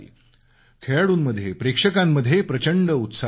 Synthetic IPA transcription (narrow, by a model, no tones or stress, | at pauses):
ḭ | kʰeɭaɽuːnməd̪ʱjepɾekʂəkamːəd̪ʱːjepɾət͡ɕəɳɖəut̪sa